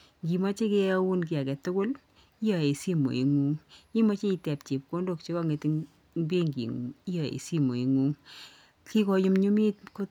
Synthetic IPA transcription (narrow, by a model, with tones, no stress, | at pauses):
ŋɡi˨mɔ˦t͡ʃe˦kɛ˦a˦wu˦nk̬i˨a˨kɛ˨tʊ˦kʊ˦l | i˦jɔ˨e˨si˦mo̰˨i˨ŋu˦ŋi˦mɔ˦t͡ʃe˦i˧tɛ˨pt͡ʃi˨p̚ko˦ndo˦kt͡ʃe˦kɔ˦ŋe˨ti˧ŋ | ŋbe˦ŋɡḭ˨ŋṵ˨ŋi˦jɔ˨ḛ˨si˦mo̰˨i˨ŋu˦ŋ | ki˦kɔ˨jʊ˦mɲu˦mi˦tko˦